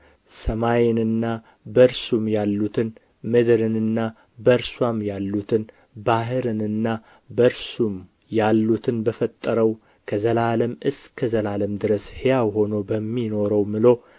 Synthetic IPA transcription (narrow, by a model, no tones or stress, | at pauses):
səmajɪnɨnːa | bəɾsumjalːut̪ʰɨn | mɨd̪ɨɾɨnɨnːa | bəɾswamjalːut̪ʰɨn | baɦɨɾɨnɨnːa | bəɾsum | jalːut̪ʰɨnbəfət̪ʼːəɾəw | kʰəzəlaləmɨskʰəzəlaləmd̪ɨɾəshejawɦo̞no̞bəmːino̞ɾəwmɨlo̞